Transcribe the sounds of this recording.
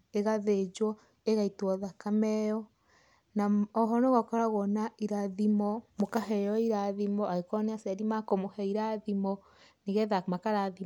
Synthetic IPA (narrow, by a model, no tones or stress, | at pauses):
eɣaðed͡ʒwɔ | eɣaitwɔðakamɛjɔ | naɔɦɔnoɣɔkɔɾaɣɔnaiɾaðimɔmokaɦɛjɔiɾaðimɔaɣekɔnɛasaɾimakomohɛiɾaðimɔ | neɣɛðamakaɾaði